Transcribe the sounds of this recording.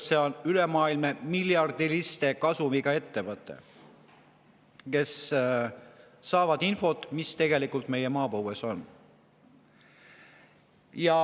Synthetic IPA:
se̞o̞nylemɑːilmemiljɑrd̪̥ilist̪e̞kɑsumiɡ̥ɑe̞t̪ːe̞vɤt̪ːˑḛ | ke̞s | ɑːvɑd̪̥info̞t̪ˑmist̪e̞ɡ̥e̞likːˑult̪me̞jemɑːpoweso̞n | jɑ

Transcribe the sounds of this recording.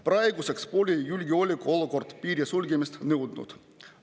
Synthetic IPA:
prɑjɡusekspolʲejulʲɡʲiolʲikoolˠokort̪piːɾʲesulʲɡʲemist̪newd̪nṵt̪

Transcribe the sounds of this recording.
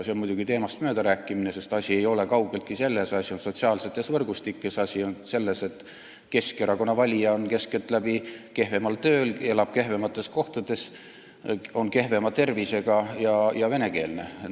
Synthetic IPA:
senmujd̪uɡ̥it̪e̞ːmɑst̪møːd̪ɑɾæːkːˑiminese̞st̪ɑsʲie̞jo̞le̞kɑwɡ̥e̞lt̪̚kise̞lːe̞sɑsio̞nso̞t̪siɑːlse̞t̪ːˑesvɤrɡ̥ust̪ikːˑesɑsʲionse̞lːe̞se̞t̪ | ke̞skeɾɑko̞nːɑvɑlʲijɑonke̞ske̞lt̪ˑlæb̥ike̞ɦve̞mɑlt̪ø̞ːle̞lɑb̥̚ke̞ɦve̞mɑt̪ːˑe̞sko̞ht̪ɑd̪̥e̞s | o̞nke̞hve̞mɑt̪e̞rvise̞ɡ̥ɑjɑjɑve̞ne̞ke̞ːlne̞

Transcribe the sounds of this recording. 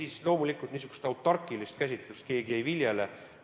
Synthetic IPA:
islo̞ːmulikˑult̪niːs̬uɡ̥u̥st̪ɑwt̪ːˑɑrkːˑilist̪kæsʲit̪lust̪ke̞ːɡeviljele

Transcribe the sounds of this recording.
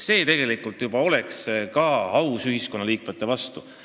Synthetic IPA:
se̞ːt̪e̞ɡ̥e̞likult̪jub̥ɑo̞le̞kskɑɑwsyɦiskonːɑliːkmet̪ːˑe̞vɑst̪u

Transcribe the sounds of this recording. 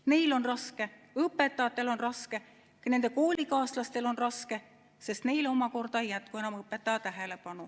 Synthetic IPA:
ne̞jlo̞nrɑske̞ | ɤpːe̞t̪ːˑɑt̪ːˑe̞lo̞nrɑske̞ | kɑne̞nd̪eko̞ːlʲikɑːslɑst̪e̞lo̞nrɑske̞ | sest̪ne̞jlo̞mɑko̞rd̪̥ɑejːæt̪kue̞nɑmɤpːˑe̞t̪ːˑɑɑt̪æɦe̞le̞pɑnu

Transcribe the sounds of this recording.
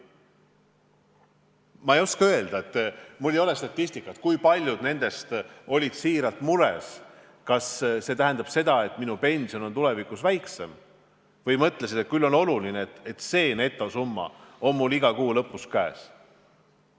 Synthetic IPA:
mɑejo̞skɑø̞e̞ld̪̥ɑet̪ːmulːejo̞le̞st̪ɑt̪ʲːˑisʲt̪ikːˑɑt̪kujpɑlʲjud̪ne̞nd̪̥e̞st̪o̞lʲit̪siːɾɑlt̪muɾḛs | kɑsse̞t̪æɦænd̪̥ɑb̥se̞d̪̥ɑe̞t̪ˑminupe̞nʲsio̞no̞nt̪ule̞vikusvæjkse̞m | vɤjmɤt̪le̞sid̪̥et̪̚kylːo̞no̞lulinet̪et̪se̞ːne̞t̪ːˑo̞sumːɑ̰o̞nmulːiɡɑkuːlɤ̞pːˑuskæːs

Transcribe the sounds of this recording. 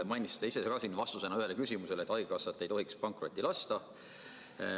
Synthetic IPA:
mɑjnʲist̪ːeise̞sɑkɑsinːvɑst̪use̞nɑyhe̞lekysʲimuselet̪ːˑɑjɡekɑsːɑt̪ːˑejt̪o̞ɦikspɑŋkro̞t̪ʲːilɑst̪ɑ

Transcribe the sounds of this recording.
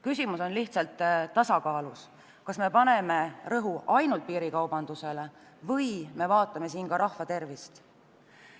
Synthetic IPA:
kysʲimuso̞nliht̪sɑlt̪ˑːɑsɑkɑːlus | kɑsme̞pɑne̞me̞rɤɦuɑjnult̪̚piːɾikɑwb̥ɑnd̪̥use̞le̞ | vɤjme̞vɑːt̪ːˑɑme̞siːnkɑɾɑhfɑt̪e̞rvist̪

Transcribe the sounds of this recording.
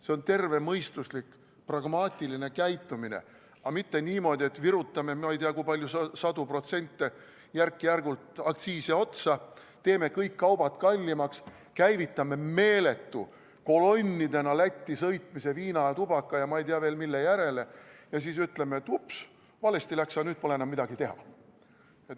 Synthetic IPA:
se̞o̞nt̪e̞rve̞mɤjst̪uslik | prɑɡ̥mɑːt̪ʲˑiline̞kæjt̪ːˑuminḛ | ɑmit̪ːe̞niːmo̞ːd̪ʲie̞t̪viɾut̪ːˑɑme̞mɑejt̪iɑkujpɑlʲjussɑd̪̥upro̞t̪se̞nʲt̪ːe | jærkːˑijærɡult̪ɑkt̪siːsiot̪sɑ | t̪e̞ːme̞kɤjkːɑwb̥ɑt̪kɑlʲːimɑks | kæjvit̪ːˑɑme̞me̞ːle̞t̪ːṵ | ko̞lo̞nʲːid̪e̞nɑlæt̪ʲːisɤjt̪mise̞viːnɑjɑt̪ub̥ɑkːɑjɑmɑejt̪iɑveːlmilːe̞jæɾe̞le̞jɑsiːsyt̪ˑlemeet̪ːups | vɑle̞st̪ilæksɑnyːd̥̪̚po̞leenɑmːid̪ɑɡit̪e̞ɦɑ̰ | et̪

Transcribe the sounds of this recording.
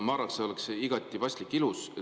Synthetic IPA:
mɑːɾɑkseo̞lekseiɡ̥ɑt̪ʲːˑivɑst̪likːilusɑ

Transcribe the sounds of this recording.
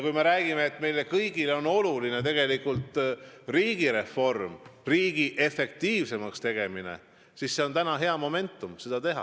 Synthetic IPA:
kujme̞ɾæːɡ̥ime̞ːt̪ːˑme̞jle̞kɤjɡ̥ileo̞no̞luline̞t̪e̞ɡ̥e̞likːˑult̪ˑriːɡ̥iɾe̞fo̞rmriːɡ̥iʔe̞fe̞k̚t̪iːvse̞mɑkst̪e̞ɡ̥e̞mine̞̰ | sisːe̞o̞nt̪ænɑɦe̞ɑmo̞me̞nt̪ːˑumse̞d̪̥ɑt̪e̞ɦɑ̰

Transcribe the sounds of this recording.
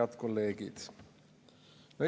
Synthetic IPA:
ɑd̪̥ko̞lːe̞ːɡid̪̥ | ne

